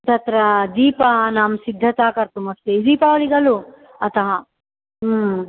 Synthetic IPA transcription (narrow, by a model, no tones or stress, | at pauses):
t̪ɐt̪ɾɐd̪iːpɐnaːmsid̪ʱːɐt̪aːkɐɾt̪umɐst̪ed̪iːpaːʋɐɭiɡɐlu | ɐt̪ɐɦɐ